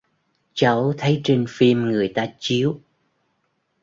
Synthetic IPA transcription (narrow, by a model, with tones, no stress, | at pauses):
t͡ɕa˨˦wt̪ʰə˨˦jt͡ɕe˧nfi˧mŋɨ˨˩əjt̪aː˧t͡ɕi˨˦əw